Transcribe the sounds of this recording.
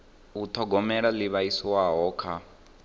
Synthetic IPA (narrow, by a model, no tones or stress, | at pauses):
ut̪ʰɔɡɔmɛɺaliβaisiwaɦɔkʰa